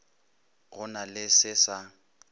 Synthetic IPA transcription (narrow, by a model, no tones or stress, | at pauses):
ɣʊnalɪsɪsa